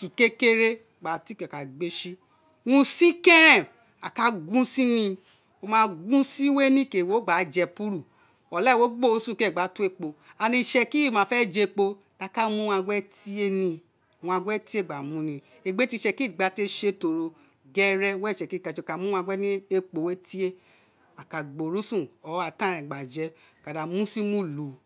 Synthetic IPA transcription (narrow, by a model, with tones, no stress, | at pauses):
ki˨ke˦ke˦ɾe˦ | ɡ͡ba˨ti˦kɛ˨ka˨ɡ͡be˦ʃi˦ | wũ˦si˦kɛ̃˦ɾɛ̃˦˨ | a˨ka˦ɡũ˦si˦nĩ˧ | o˧mãː˧ɡũ˦si˦we˦nĩ˦˨ke˨wo˨˦ɡ͡ba˨˦d͡ʒɛ˧pu˦ɾu˦˨ | ɔ˨lɛ˦˨wo˨˦ɡ͡bo˦˨o˧˦sũ˦˨kɛ˦˨ɡ͡ba˨˦tu˦e˦˨k͡po˧a˧nĩ˧ʃɛ˧ki˦˨mãː˨˧fɛ˦˨d͡ʒe˧˨k͡po˧ | ta˧ka˦mũ˦wã˧ɡʷɛ˦ti˦e˦nĩ˧˨ | w̃ã˧ɡʷɛ˦ti˦e˦˨ɡ͡ba˨mũ˨˦nĩ˧ | e˧ɡ͡be˦ti˧˦ʃɛ˧ki˦˨ɡ͡ba˧te˧ʃe˧to˧ɾo˧ | ɡɛ˦ɾɛ˧wɛ˦˨ʃɛ˧˨ki˦˨ka˨˧˨ʃe˧˨ka˨˦mũ˦ã˧ɡɛ˦nĩ˦e˦k͡po˨we˦ti˦e˦ | a˨ka˨ɡ͡bo˨ɾu˨˦sũ˦˨ɔ˨˦a˨˧tã˦ɛ˨ɡ͡ba˨d͡ʒɛ˧ | ka˨da˨mũ˦si˦mũ˦lu˨˦